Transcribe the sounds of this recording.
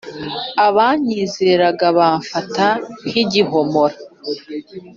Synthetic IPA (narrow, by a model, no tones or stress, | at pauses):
aβaːɲiːzeɾaɡaβaːɱfatan̥iɟiɦo̞mo̞ɾa